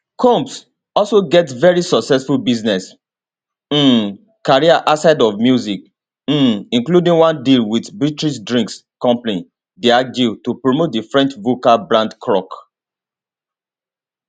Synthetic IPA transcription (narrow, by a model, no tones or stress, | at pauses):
kʰɔ̃mps | ɔlsoɡɛtvɛɹisɔksɛsfulbiznɛs̩ | kaɹiaʔasaɪdɔvmjuzik̩̚ | ĩnkludĩŋwãndilwidbɹitɹis̬dɹĩŋkskɔ̃mplĩ | diad͡ʒitupɹomot̚difɹɛ̃nt͡ʃvokabɹãndkʰɹɔk